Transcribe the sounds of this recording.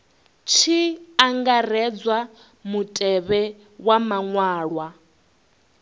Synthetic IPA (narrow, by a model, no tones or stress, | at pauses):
t͡ʃʰiaŋɡar̤ɛd͡zwa | mutʼɛβɛ | wamaŋwaːɺwa